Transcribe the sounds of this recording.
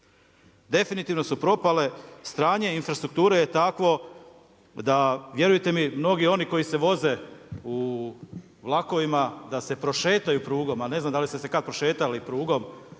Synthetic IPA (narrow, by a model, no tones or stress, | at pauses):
d̪e̞finit̪iʋno̞supɾo̞pale̞st̪ɾaːɲe̞infɾast̪ɾukt̪uːɾeje̞t̪akʋo̞ | d̪aʋje̞ɾujet̪e̞mimno̞ɡio̞niko̞jise̞ʋo̞zeu | ʋlˠako̞ʋimad̪ase̞pɾo̞ʃeːt̪ajupɾuːɡo̞malne̞znamd̪alisesekad̪pɾo̞ʃe̞ːt̪alipɾuːɡo̞m